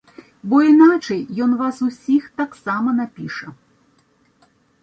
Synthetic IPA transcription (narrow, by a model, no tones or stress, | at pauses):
bɔinat͡ʂɐjːɔnvasusʲixt̪aksamɐnapʲiʂɐ